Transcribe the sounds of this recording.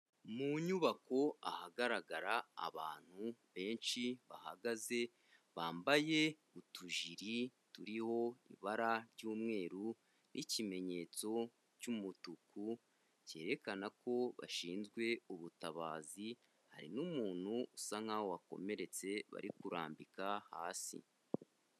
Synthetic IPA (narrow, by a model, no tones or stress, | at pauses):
muɲuβako̞a̰haɡaɾaɡaɾa̰ːβaːn̥huβe̞ːnʃiβa̰ha̰ɡaze̞ | βaːmbaje̞ | utʰuʒiɾituɾiho̞ḭβaɾaɾɟuːmŋe̞ːɾu | nʔicime̞ɲe̞ːt͡so̞ | ɾɟumutuku | ce̞ːɾe̞kanako̞βa̰ʃiːnzɡwe̞uβutaβa̰ːzi | ha̰ɾḭnumuːn̥huːsaŋ̥awowako̞̰me̞ɾe̞t͡se̞βa̰ɾikuɾa̰ːmbikaha̰ːsḭ